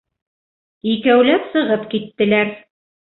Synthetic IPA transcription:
ikæwlæpsɤ̆ʁɤpkit̪ːɘ̆læɾ

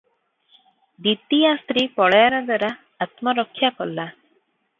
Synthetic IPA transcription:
d̪it̪ijast̪ɾiːpɔɭjaɾɔd̪waɾaː | t̪mɔɾɔkʰːjakɔlːa

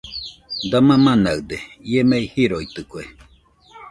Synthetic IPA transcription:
d̪amãmãnaɯd̪eiemeihiɾoit̪ɨkue

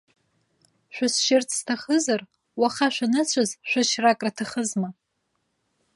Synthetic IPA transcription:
ʃᶣʷʊsʃɪrt͡sʰʼstʰaχəzar | waχaʃʷᶣanɨt͡sʷʰazʃᶣʷaʃrakʼratʰaχəzma

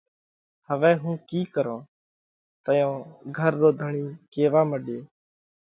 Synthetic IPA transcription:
həʋɛ̃ːɦũːkiːkəɾõː | t̪əjõːɡʱəɾd̪oːd̪ʱəɳiːkeːʋaːməɗeː

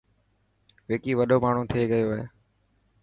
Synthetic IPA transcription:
ʋeːkiːʋəɗoːmaːɳ̤ũːt̪ʰɪeːɠəjoːɦeː

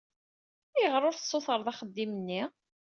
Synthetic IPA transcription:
ɪʁɾˤʊɾθə̥sˤːʊθəɾˤðæχəd̪ːimənːi

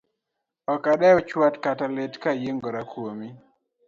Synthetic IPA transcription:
ɔkaɗaɔt͡ʃwatkataletkajeŋɡɔɾakwomi

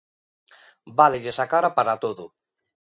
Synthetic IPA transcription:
balɪʝesakaɾapaɾat̪oðʊ

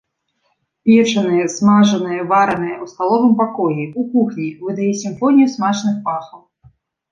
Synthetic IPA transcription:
pʲɛt͡ʂɐnɨjɐsmaʐɐnɨjɐvaɾɐnɨjɐust̪alˠɔvɨmpakɔjiukuxnʲivɨd̪ajɛsʲimfɔnʲijusmat͡ʂnɨxpaxɐw

